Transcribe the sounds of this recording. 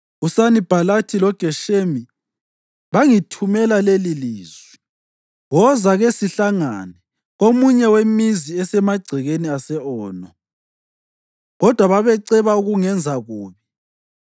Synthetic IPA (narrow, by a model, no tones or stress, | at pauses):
usanib̥ʱalatʰilɔɡ̥ʱɛʃemi | βaŋitʰumɛlaleliliːz̥wi̥ | wɔzaɣesiɬaŋa̰nɛ | ɣomuɲɛwemiziɛsɛmaɡ͡ǀʱiɣeniasɛɔːnɔ | ɣɔd̥ʱwaβaβɛǀɛβauɣuŋɛnd͡zʱaɣuːβi